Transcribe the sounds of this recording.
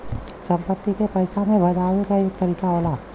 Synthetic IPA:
sɐ̃mpət̪ːikepɐjsamẽbʱɐd͡ʒaːwekait̪əɾiːkaɦoːlaː

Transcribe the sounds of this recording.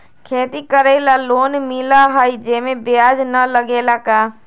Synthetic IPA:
kʰeːt̪ikəɾelaloːnmɪlaɦəid͡ʒeːmẽbɪjaːd͡ʒnələɡeːlakaː

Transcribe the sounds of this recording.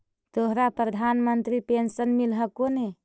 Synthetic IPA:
t̪oɦɾapɾəd̪ʱanmənt̪ɾipensənmilɦəkone

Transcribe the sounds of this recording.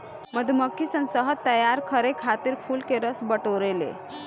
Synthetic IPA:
məd̪ʱməkʰːisənsəɦət̪ːəjaɾkʰəɾekʰat̪iɾfuːlkeɾəsbəʈoɾelḛ

